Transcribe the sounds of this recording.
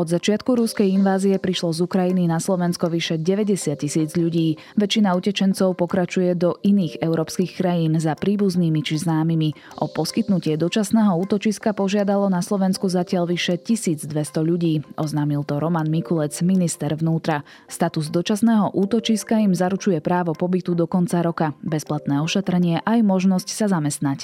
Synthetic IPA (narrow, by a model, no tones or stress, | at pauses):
ɔd̪zat͡ʃɪat̪̚kuɾuskɛjinʋaːziɛpɾiʃlɔzukɾajininaslɔʋɛnskɔʋiʃɛɟɛʋɛɟɛsɪat̪̚cisiːd͡zʎuɟiː | ʋɛt͡ʃinaucɛt͡ʃɛnt͡sɔʊpɔkɾat͡ʃujɛd̪ɔʔiniːɣɛʊɾɔːpskixkɾajiːnzapɾiːbuzniːmit͡ʃiznaːmimi | ʔɔpɔskit̪nucɪɛd̪ɔt͡ʃasnɛːɦɔuːt̪ɔt͡ʃiskapɔʒɪad̪alɔnaslɔʋɛnskuzacɪaʎʋiʃɛcisiːd͡zd̪ʋɛst̪ɔʎuɟiːʔɔznaːmilt̪ɔɾɔmanmikulɛt͡sminist̪ɛɾʋnuːt̪ɾa | st̪at̪uzd̪ɔt͡ʃasnɛːɦɔʔuːt̪ɔt͡ʃiskaimzaɾut͡ʃujɛpɾaːʋɔpɔbit̪ud̪ɔkɔnt͡saɾɔkabɛsplat̪nɛːɔʃɛt̪ɾɛɲɪɛʔajmɔʒnɔscsazamɛst̪nac